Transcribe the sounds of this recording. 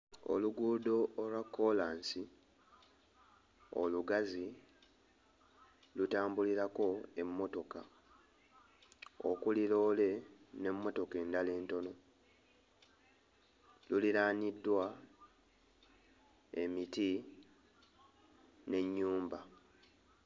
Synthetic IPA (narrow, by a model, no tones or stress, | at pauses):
o̞̰luɡuːdo̞ːlwakːo̞laːnsi | o̞̰luɡazi | lutaːmbuliɾako̞e̞mːo̞to̞ka | o̰kuliɾo̞ːle̞ne̞mːo̞to̞ke̞ːndale̞ːnto̞no̞ | luliɾaːnidːwa | e̞miti | ne̞ɲːuːmba